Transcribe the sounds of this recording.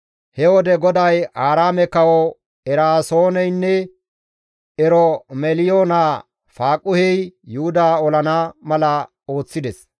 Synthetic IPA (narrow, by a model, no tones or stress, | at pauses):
hɛwɔd̪ɛɡɔd̪ɐjaːɾaːmɛkɐwɔ | ɛɾaːsoːnɛjnːɛ | ɛɾɔmɛlɪjoːna | faːkʼʊhɛjjʊhʊd̪aːɔlɐnaːmɐlɐ | o̞ːt͡sːɪd̪ɛs